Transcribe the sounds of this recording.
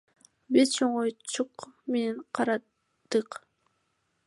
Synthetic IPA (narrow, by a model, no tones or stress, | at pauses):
bizt͡ʃʰoɴujt͡ʃuqme̞neɴqʰɑɾɑ | d̪̥ɯq